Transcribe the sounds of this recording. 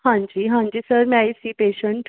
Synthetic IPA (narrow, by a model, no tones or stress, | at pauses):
ãɲd͡ʑiːɦãɲd͡ʑiːsəɾmajsiːpeɕəɳʈ